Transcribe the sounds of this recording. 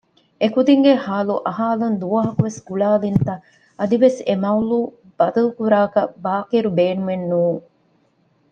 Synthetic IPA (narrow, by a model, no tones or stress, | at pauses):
ekud̪iŋɡehaːluʔɐɦaːlɐnd̪uʋɐɦɐkuʋesɡuɭaːlint̪ɐ | ɐd̪iʋesemɐuluː | b̥ɐd̪ɐlukuɾaːkɐbaːkiɾubeːnumenːuːŋ